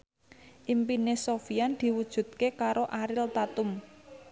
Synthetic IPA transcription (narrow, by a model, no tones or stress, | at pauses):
ʔimpinesofiand̪̥i̤wud̥ʒ̥ṳt̪̚kekaɾoʔaɾɪlt̪at̪ʊm